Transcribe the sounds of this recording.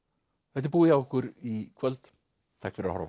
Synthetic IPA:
vɛt̪ɪɾp̬uːiawɪhkʏɾikʰvœlt̪ | t̪ʰaːkfɪɾahɔ̰ɾva

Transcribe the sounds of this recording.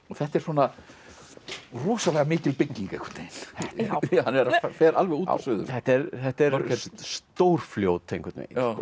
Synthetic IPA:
ɔθɛht̪ɛɾ̥swɔːna | ruːsalɛɣamɪːcɪlpɪcːiŋkaejkʏɾ̥t̪nejn | hanvɛɾaffɛːɾʔalvɛɣuːta̰sʏðʏ̰θɛht̪ɛɾθɛht̪ɛɾɾɛst̪owɾ̥fljoːwt̪ʰːejŋkʏ̥ɾt̪ḛjɔ

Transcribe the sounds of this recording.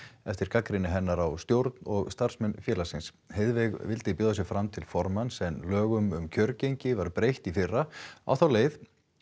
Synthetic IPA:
ɛft̪ɪɾkakɾɪnɪɦɛnːaɾawst̪jowɾt̪nɔɣst̪ar̥smɛnfjɛːlasɪns | heðvɛɣvɪlt̪ɪpʏːðasjɛɣfɾamt̪ʰɪlfɔɾmansɛnlœːɣʏmʏmcʰœɾcejɲcɪvaɾpɾejht̪ifɪrːaa̰wθawleːjθ

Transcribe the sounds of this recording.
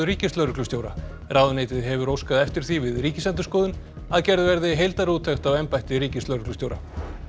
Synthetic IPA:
ʏɾiːcɪst̪lœɾʏklʏsjowɾa̰ | rawðʏnejt̪ɪðɦɛvʏɾowskaðɛft̪ɪɾ̥θivɪðrɾiːcɪsɛnt̪ʏ̥skɔːðʏn | aðcɛɾðɪvɛɾðɪɦejlt̪aɾuːt̪ʰɛxt̪awɛjmpajht̪ɪɾiːcɪst̪lœɾʏklʏst̪jowɾa̰

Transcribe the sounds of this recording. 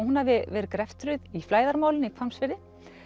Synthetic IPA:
hunːavɪvɛːɾɪkɾɛft̪ɾʏðiflaːjðaɾmaːwlɪnikʰvamsvɪɾðɪ

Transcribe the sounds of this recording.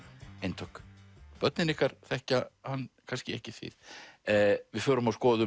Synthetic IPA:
ejnt̪ʰœkpœt̪nɪnɪhkaɾ̥θɛhcahanːkʰanscɪɛ̰hcɪθvɪ̰θ | vɪðfœːɾʏmawskɔːðʏ

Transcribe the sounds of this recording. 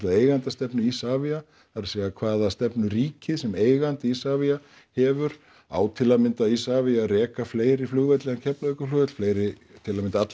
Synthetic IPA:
t̪laðeːjɣant̪ast̪ɛpnʏisaːvia | θaɾʏsɛːɣakʰvaːðast̪ɛpnʏɾiːcɪsɛmeːjɣant̪isaːvia | hɛːvʏɾ̥ | a̰ːwt̪ʰɪlamɪnt̪aðisaːviaɾɛːkafleːjɾɪflʏɣvɛt̪lɛɣancʰɛplaʏkaflʏɣvɛt̪l̥fleːjɾɪ | t̪ʰɪlamɪnt̪aat̪l

